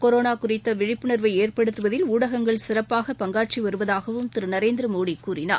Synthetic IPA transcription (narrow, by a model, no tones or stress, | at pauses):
kɔɾoːnaːkʊrɪt̪ːɐʋɪɻɪpːɯnɐɾʋɐɪeːrpɐɽɯt̪ːɯʋɐðɪluːɽɐɣɐŋɡɐɭsɪrɐpːaːɣɐpɐŋɡaːʈ̚t͡ʃiʋɐɾɯʋɐðaːɣɐʋɯmt̪ɪɾɯnɐɾeːnd̪ɪɾɐmoːɽikːuːrɪna̰ː